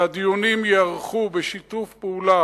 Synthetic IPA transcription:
ad̪ijunimjeaʁχubeʃit̪ufpeula

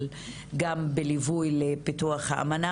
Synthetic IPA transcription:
l | ɡambelivujlepituaχhaʔa̰mana

